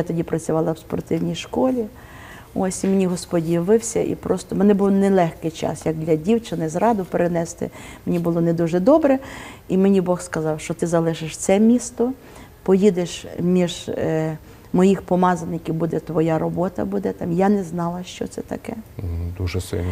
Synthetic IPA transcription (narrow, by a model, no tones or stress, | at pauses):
jat̪ɔdʲipɾɐt͡sʲʊʋɑlˠɐwspɔ̰rt̪ɪwnʲijʃkɔlʲi | ɔsʲimenʲiɦɔspɔdʲiʋɪwsʲɐʔḭpɾɔst̪ɔmɛnɛbuwnɛlˠɛxkɪjt͡ʃɑ̰sjɐɡ̚d̪lʲɐdʲiwt͡ʃɪnɪzɾɑd̪ʊpeɾenɛst̪ɪ̰menʲibʊlˠɔnɛd̪uʒɛd̪ɔbɾɛimenʲibɔxskɐzɑwʃt͡ʃɔt̪ɪzɐlˠɪʒɪʃt̪sɛmʲist̪ɔ | pɔjid̪eʃmʲiʒ | mɔjixpɔmɑzɐnɪkʲiwbud̪ɛt̪ʋɔjaɾɔbɔt̪ɐ̰bud̪ɛt̪ɑmjanɛznɑlˠɐʃt͡ʃɔ̰t̪sɛt̪ɐkɛd̪uʒɛsɪ̰lʲ